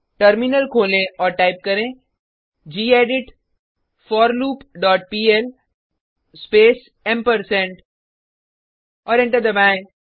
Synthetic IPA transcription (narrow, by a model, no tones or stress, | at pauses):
ʈəɾmɪnəlkʰoːlẽɔːɾʈaːɪp̚kɐɾẽ | d͡ʒiːeːɖɪʈ | fɔːɾluːpɖɔːʈ̚piːɛl | speːs | ɛmpəɾsɛ̃ɳʈ | ɔːɾɪ̃ɳʈəɾd̪ɐbã